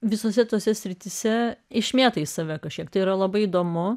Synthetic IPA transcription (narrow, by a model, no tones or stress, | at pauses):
ʋʲɪsoːsʲɛt̪oːsʲɛsʲɾʲɪt̪ʲɪsʲɛɪʃʲmʲeːt̪ɐɪssɐʋʲɛkɐʃʲkʲiɛkt̪ɐɪiɾɐlˠɐbɐɪid̪oːmʊ